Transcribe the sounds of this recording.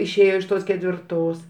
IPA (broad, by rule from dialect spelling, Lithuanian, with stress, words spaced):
ɪʃʲˈeːjoː ɪʃ ˈtoːs kʲɛtʲʋʲɪrˈtoːs